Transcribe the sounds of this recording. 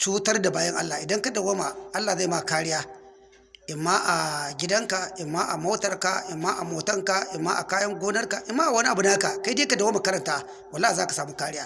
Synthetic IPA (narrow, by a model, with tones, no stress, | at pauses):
t͡ʃuː˦tɐ˦rda˨baː˦jɐ˦ŋʔa˦lːa˨ʔɪ˨dɐ˦ŋka˦da˨wa˦ma˨ʔa˦lːaː˨za˦˨ma˦˨kaː˦ɽɪ˦jaː˦ | ʔɪ˨mːa˦ʔa˨ɡʲɪ˦dɐ˦ŋka˨ʔɪ˨mːaː˦ʔa˨mo˦tɐ˨rka˨ʔɪ˨mːaː˦ʔa˨moː˨tɐ˦ŋka˨ʔɪ˨mːaː˦ʔa̰˨kaː˦jɐ˦ŋɡʷoː˦nɐ˦rka˨ʔɪ˨˦mːaː˦ʔa˨wɐ˦ni˦ʔa˨bu˨˦na˦a˦ka˨ka˦jde˦ka˦da˨wa˦ma˨kɐ˦ɾɐ˨ntaː˦ | wɐ˨lːa˦hi˨zaː˦ka˨saː˨muː˦kaː˦ɽɪ˦jaː˦